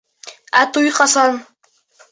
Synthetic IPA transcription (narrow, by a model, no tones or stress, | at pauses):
æt̪ujqɑsɑn